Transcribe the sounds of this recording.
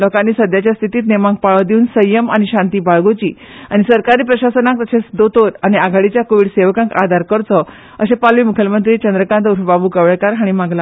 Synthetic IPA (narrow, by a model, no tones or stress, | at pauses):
lɔkanːiːsəd̪ʱjat͡ɕjast̪ʰit̪iːt̪nemãŋk̚paɭɔd̪iunsəjəmañiɕãnt̪iːbaɭɡot͡ɕiː | aɽ̃isəɾkaɾiːpɾəɕasənãk̚t̪əɕesd̪ot̪oɾañiaɡʱaɽit͡ɕjakoʋiɽseʋkãŋka̰d̪ʱaɾkəɾt͡s̪ɔ | əsepalʋiːmukʰjəmənt̪ɾiːt͡ɕənd̪ɾəkãnt̪uɾbabukəʋɭkaɾɦaɽ̃imaɡla